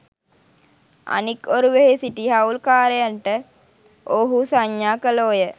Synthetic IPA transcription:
a̰nikoɾuʋeɦesiʈiɦaulkaːɾejanʈə | ʔoɦusaɲːaːkəloːjə

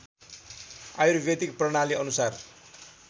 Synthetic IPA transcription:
aiɾubjʌt̪ikprʌɽ̃aliʌnusar

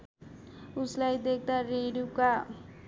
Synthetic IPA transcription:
uslajd̪ek̚ʰd̪aɾeɾuka

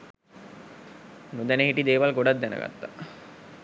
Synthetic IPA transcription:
nud̪æneɦiʈid̪eːʋalɡoɖat̪̚d̪ænə̰ɡa̰t̪ːa

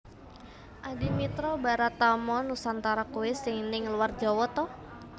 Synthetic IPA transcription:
ʔadimit̪ɾɔbaɾat̪amɔnusant̪aɾakuwɪsɪŋnɪŋluward͡ʒawɔt̪ɔh

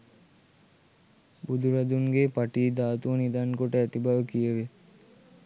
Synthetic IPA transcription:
bud̪uɾad̪uŋɡepaʈiːd̪aːt̪uənid̪ankoʈəæt̪ibaʋəkijəʋe

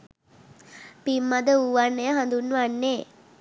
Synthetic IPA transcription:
pimːad̪əuʋanːejəɦand̪unːuʋanːeː

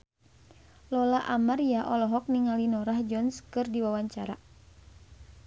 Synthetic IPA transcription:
lɔlaʔamaɾiaʔɔlɔɦɔk̚niŋalinɔɾahd͡ʒɔnskɨrdiwawaɲt͡ʃaɾa

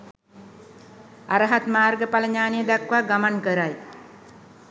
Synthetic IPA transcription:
aɾəɦat̪maːrɡəpaləɲaːnijəd̪akʋaɡamaŋkəɾaj

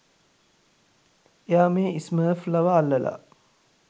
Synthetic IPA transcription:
ejaːmeːisməːflɐʋaːlːəla̰

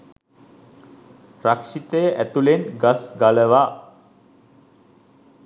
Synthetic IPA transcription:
rakʂit̪əjəʔæt̪ulenɡasɡaləʋa

